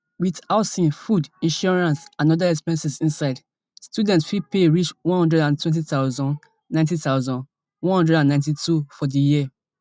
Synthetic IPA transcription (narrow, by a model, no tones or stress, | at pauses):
witaʊtsĩnfudĩnʃɔɹãnsãnɔdaɛkspɛ̃nsɛsĩnsaɪd | stjudɛ̃ntsfipeɹit͡ʃwɔ̃nhɔ̃ndɹɛdãntʰwɛ̃nt̬itaʊzɔ̃n | nãɪ̃ntitaʊzɔ̃n | wɔ̃nhɔ̃ndɹɛdãnːãɪ̃ntitufɔdəjiə